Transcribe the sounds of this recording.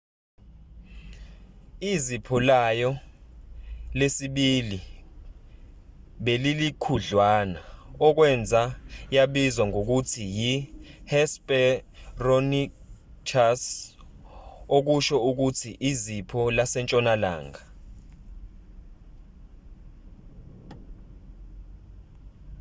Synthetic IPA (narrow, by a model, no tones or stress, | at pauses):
izipʰɔlajɔ | lesiɓili | ɓelilikʰuɮwaːnaɔk̬wɛnd͡zʱajaɓizwaŋok̬utʰijihɛspʼɛroni | kʰas | ok̬uʃɔuk̬utʰiʔizipʰɔlasɛnt͡ʃʼɔnala̰ːŋa